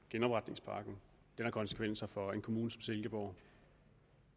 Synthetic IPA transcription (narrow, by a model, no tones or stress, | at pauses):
ɡ̥enɒ̽b̥ʁäd̥ne̝ŋspʰɑ̈ɡ̥n̩ | d̥enhɑ̈kʰɒ̽nsə̥kʰʋen̰sɐfɒ̽e̝nkʰo̝muːnəsɒ̽mselɡ̥əb̥ɒʊ